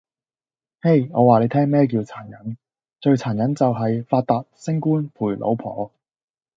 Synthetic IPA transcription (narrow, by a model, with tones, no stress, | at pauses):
he˥˩jŋɔː˨˧waː˨le˨˧jt̪ʰɛː˥ŋmɛː˥k̬iː˧wt͡sʰaː˨˩njɐ˨˥n | t͡ʃɵ˧ɥt͡sʰaː˨˩njɐ˨˥nt͡sɐ˨wɦɐ˨jfaː˧t̚t̪aː˨t̚sɪ˥ŋkuː˥npʰuː˨˩jlʔo̰˨˥wpʰɔ̰ː˨˥